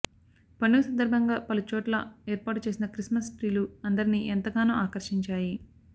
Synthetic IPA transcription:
pɐɳːuːsɐnd̪ɐɾbʱɐŋɡaːpɐlut͡ʃɔːʈlɐ̰eːɾpaːʈut͡ʃe̞ːsinɐkɾismɐsʈɾiːluɐnd̪ɐɾiniʔɛnt̪ɐɡaːnuːaːkɐɾʂiɲt͡ʃaːji

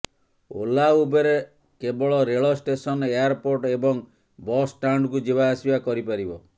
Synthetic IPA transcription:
o̰laubeɾe | kebɔɭɔɾeɭɔsʈesɔnejaɾpoɾʈebɔŋ | bɔsʈaɳɖkud͡ʒibaːsibakɔɾipaɾibɔ

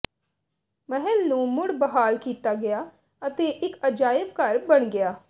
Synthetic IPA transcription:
mɛɦɛlnũːmʊɽbəɦaːlkiːt̪aːɡɪjaː | ət̪eːʔɪkəd͡ʒaːjəb̚kəɾbəɳɡɪjaː

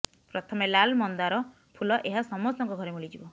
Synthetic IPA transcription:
pɾɔt̪ʰɔmelalmɔnd̪aɾɔ | pʰulɔʔeɦasɔmɔst̪ɔŋkɔɡʱɔɾemulid͡ʒibɔ

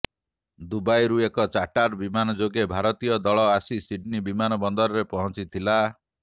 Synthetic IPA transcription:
d̪ubajɾuekɔt͡ʃaʈaɾbimanɔd͡ʒoɡebʱaɾɔt̪ijɔd̪ɔɭɔasisiɖnibimanɔbɔnd̪ɔɾɔɾepɔɦɔnt͡ʃit̪ʰila

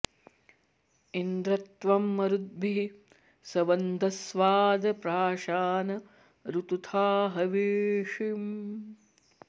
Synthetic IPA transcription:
ind̪ɾɐt̪ʋɐmːɐɾud̪̚bii | sɐʋɐnd̪ʱɐsʋaːd̪ɐpɾaːʃaːnɐ | ɾut̪ut̪ʰaːɦɐʋeːʂim

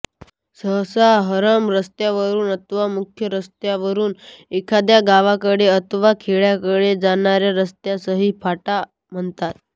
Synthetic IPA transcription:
səɦsaɦəɾəmɾəst̪jaʋəɾuːnət̪ʋamukʰjəɾəst̪jaʋəɾuːnekʰad̪jaɡaʋakəɽeət̪ʋakʰeɭjakəɽed͡zaɳ̃aɾjaɾəst̪jasəɦiːpʰaʈa | m̤əɳt̪at̪̚

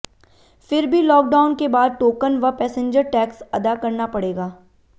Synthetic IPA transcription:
fɪɾbʱilɔːk̚ɖaːʊnkebaːd̪̚ʈoːkənʋɐpɛːsə̃ɲd͡ʒəɾʈɛːksɐd̪akɐɾnapɐɽeːɡaː

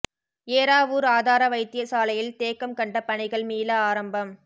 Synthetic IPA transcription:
eːɾaːʋuːɾaːðaːɾɐʋɐɪt̪ːɪjɐsaːlɐjɪlt̪eːkːɐmkɐɳɖɐpɐɳɪɣɐɭmiːlɐaːɾɐmbɐm

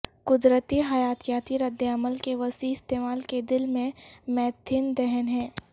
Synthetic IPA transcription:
kʊd̪ɾət̪iɦɐjaːt̪jaːt̪iɾɐd̪ːəɐməlkeʋɐsiɪst̪eːmaːlked̪ɪlmẽmɛːt̪ʰːɪnd̪ɛɦənɦɛ̃ː

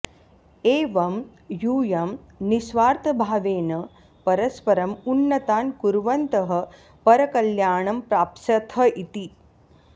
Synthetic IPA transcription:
eːʋɐm | juːjɐm | nisʋaːɾt̪ʰɐbʱaːʋeːnɐ | pɐɾɐspɐɾɐmunːɐt̪aːnkuɾʋɐnt̪ɐɦɐ̆ | pɐɾɐkɐljaːɳɐmpɾaːpʃɐt̪ʰɐit̪i

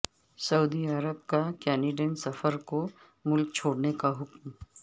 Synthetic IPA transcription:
sɐuːd̪iɐɾəbkakɛːniɖẽːnʈsɐfəɾko | mʊlk̚t͡ʃʰoːɽnekaɦʊkm

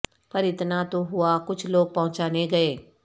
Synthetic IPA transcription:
pɐɾɪt̪nat̪oɦʊakʊt͡ʃʰloːɡ̚pɐɦʊ̃t͡ʃaːneɡɐeː

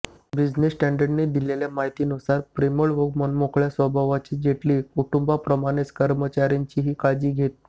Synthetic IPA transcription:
bid͡ʑnesʈæ̃ɳɖəɖned̪ileljamaɦit̪iːnusaɾpɾeməɭʋəɡmənmokɭjasʋəbʱaʋat͡ɕiːd͡ʑeʈliːkuʈumbapɾəmaɽ̃et͡skəɾmət͡ɕaɾjaɲt͡ɕiɦiːkad͡ʑiːɡʱet̪̚

